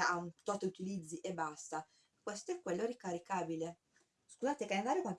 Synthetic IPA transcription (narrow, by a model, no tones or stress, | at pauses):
aunt̪ɔt̪ːeut̪ilid̪zːiʔebːast̪a | kːwest̪oɛkːwelːoɾikaɾikaːbile | skuzaːt̪ekalend̪aːɾjokwant̪